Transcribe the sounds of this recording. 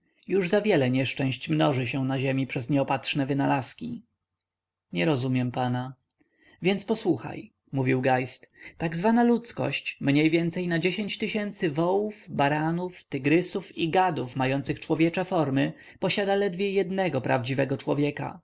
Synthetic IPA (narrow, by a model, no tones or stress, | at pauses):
juʐzavʲjɛlɛɲɛʂt͡ʂɛ̃w̃ɕt͡ɕmnɔʐɘɕɛ̃naʑemʲipʂɛzɲɛɔpat̪ʂnɛvɘnalaskʲi | ɲɛɾɔzumʲjɛmpana | vʲjɛnt̪spɔswuxa̰j | muvʲiwɡajst̪t̪aɡzvanalut̪skɔ̰ɕt͡ɕmɲejvʲjɛnt̪sɛjnad͡ʑeɕeɲt͡ɕt̪ɘɕɛnt̪sɘvɔwuvbaɾanuft̪ɘɡɾɘsufiɡad̪ufmajɔnt̪sɘxt͡ʂwɔvʲjɛt͡ʂafɔɾmɘ | pɔɕad̪alɛd̪vʲjɛjɛd̪nɛɡɔpɾa̰vd͡ʑivɛɡɔt͡ʂwɔ̰vʲjɛka̰